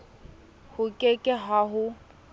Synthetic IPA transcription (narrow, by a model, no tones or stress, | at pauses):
hʊkʼekʼɪɦaɦʊ